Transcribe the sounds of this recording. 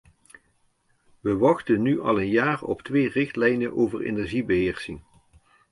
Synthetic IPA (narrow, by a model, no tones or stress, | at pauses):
ʋəʋɑχtənyʔɑ̰lˠənjaːrɔ̰ptʋejrɪχtlɛjnənʔoːvərḛnɛɹʒibəɦɪːɹsɪŋ